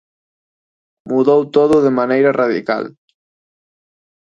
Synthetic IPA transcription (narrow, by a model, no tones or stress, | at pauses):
muðowt̪oðʊðemanejɾaraðḭka̰l